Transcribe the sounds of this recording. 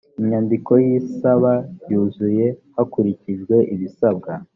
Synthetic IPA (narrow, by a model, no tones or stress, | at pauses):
iɲɲandiko̞jiːsaβajuːzuje̞hakuɾiciʒɡwe̞ʔiβisabɡa